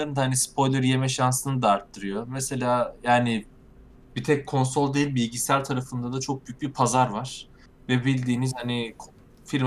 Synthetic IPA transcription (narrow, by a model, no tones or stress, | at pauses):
and̪aɦanispʰo̞jlʲˠeɾje̞mɛʃansɯnɯd̪aːɾt̪ːɯɾɯjo̞mese̞lʲaːjaːnɪ | bit̪ʰɛc̚kʰːo̞nso̞lˠd̪ejilʲbilʲɟisæɾt̪ʰaɾafɯnd̪ad̪at͡ʃʰo̞k̚byjy̥cbipʰazaɾvaɾ̥ | vɛbilʲd̪iːnizhanɪkʰ | fiɾm